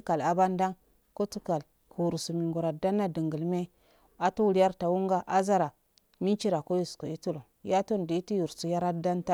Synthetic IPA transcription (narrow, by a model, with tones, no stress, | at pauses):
ka˨la˨ba˦nda˦n | ko˦tu˦ka˨l | kʰu˨ɾu˨su˨mi˨ŋɡu˨ɾa˨da˦nːa˦də˨ŋɡə˨lme˦ | a˨tu˦wu˨lja˦ɾta˨wu˦ŋɡa˦ʔa˦za˦ɾa˨ | mi˦nt͡ʃi˦ɾa˨ko˦ju˨sko˨i˦tu˦lo˨ | ja˦to˦n˨di˨i˦ti˦ju˨ɾsu˨ja˦ɾa˦da˦nta˦